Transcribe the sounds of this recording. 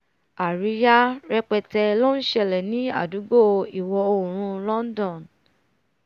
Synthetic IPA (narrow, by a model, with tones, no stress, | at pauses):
a˨ɾi˨˦ja˦ɾɛ˧k͡pɛ˧tɛ˧lo˦n̩˦ʃɛ˧˨lɛ˨nĩ˦a̰˦˨du˨˦ɡ͡bo˦˧i˨wɔ˧o˨ɾ̃ũ˧lɔ̃˦n˦dɔ̃˦˨n